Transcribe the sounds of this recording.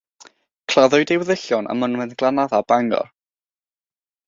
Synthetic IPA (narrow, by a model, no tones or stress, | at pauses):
kʰl̥aðʊjdewəðɪɬjɔnə̰mənmɛnɡlˠanaðab̥aŋɡɔ̰r